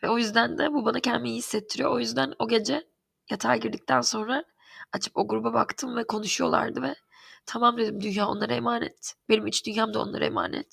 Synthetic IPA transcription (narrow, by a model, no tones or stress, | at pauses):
vɛo̞jyzd̪ænd̪ɛbubanacʰɛnminihisːɛt̪ʰːiɾijoo̞jyzd̪æno̞ɟe̞d͡ʒɛ | jat̪ʰaɾɟiɾd̪ic̚t̪ʰænso̞nɾa | at͡ʃʰɯ̥po̞ɡuɾubaba̰kt̪ʰɯmvɛkʰo̞nuʃujo̞lˠa̰ɾd̪ɯvɛ | t̪ʰamamd̪ed̪imd̪ynjaːo̞̰nlˠaɾaemaːnɛ̰t̪b̥e̞nimit͡ʃd̪ynjaːmd̪ao̞̰nˠa̰ɾa̰ḛma̰ːnɛ̰t̪